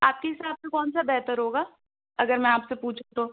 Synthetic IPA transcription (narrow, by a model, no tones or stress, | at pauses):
aːp̚keɦɪsaːbsekɔːnsabɛɦt̪əɾɦoːɡaː | ɐɡəɾmɛ̃aːpsepuːt͡ʃʰut̪oː